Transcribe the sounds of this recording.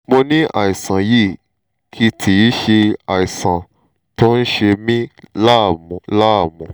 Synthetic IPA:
mo˧nĩ˦ʔa̰˨i˨sã˨ji˦˨ | kʰi˦tʰi˨˦ʃe˧a˨i˨sã˨ | to˦n̩˦ʃe˧mĩ˦la˦˨mɔ̃˨la˦a˦˨mɔ̃˨

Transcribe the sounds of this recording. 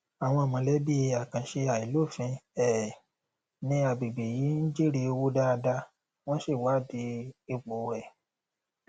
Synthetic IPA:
a˨w̃ɔ̃˧a˨mɔ̃˨lɛ˦bi˦˧a˨kã˨˦ʃe˧a˨i˨lo˦˨fĩ˧ɛ˦˨ | nĩ˧˦a˧˨bi˨be˨ji˨˦ñ̩˦d͡ʒe˦ɾi˦˧wo˦da˦˧da˧ | w̃ɔ̃˦ʃe˦˨wa˨˦˨di˧˦e˧ɡ͡bo˨˦˧ɛ˦˨

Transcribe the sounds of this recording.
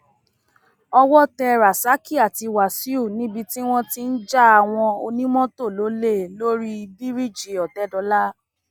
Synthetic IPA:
ɔ˧wɔ˦tɛ˧ɾa˨sa˨˦ki˦a˨ti˨˧wa˨si˦u˦˨nĩ˦bi˧ti˦w̃ɔ̃˦ti˦n̩˦d͡ʒa˦a˧w̃ɔ̃˧o˧nĩ˦mɔ̃˦to˦˨lo˨˦le˦˨lo˦ɾi˦˧bi˦ɾi˦˨d͡ʒi˨ɔ˨tɛ˨˦dɔ˧˦la˦

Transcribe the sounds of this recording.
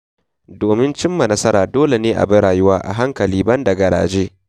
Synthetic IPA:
doː˨mɪ˦nt͡ʃɪ˦mːɐ˨nɐ˦sɐ˦ɾaː˨doː˦le˨neː˦ʔa̰˨bɐ˦ɽaː˨jʊ˦waː˦ʔa̰˨ɦa˦ŋkɐ˨liː˦bɐ˦ndɐ˨ɡɐ˨ɾa̰ː˨d͡ʒeː˦

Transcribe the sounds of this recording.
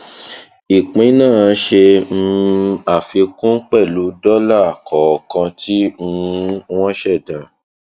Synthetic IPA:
i˨k͡pĩ˨˦nãː˦˨˦ʃe˧m̩˧a˦˨fi˧kũ˦k͡pɛ˦˨lu˨˦dɔ˦la˦˨kɔ˨kã˧tʰi˦ũ˧˦w̃ɔ̃˦ʃɛ˦˨dã˨

